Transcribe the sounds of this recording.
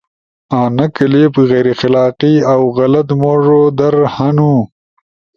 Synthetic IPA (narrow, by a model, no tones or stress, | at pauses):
aːnɐkəlepɣejɾexɪlɑːqiawɣɐlɐt̪moːʐod̪ɐɾhanu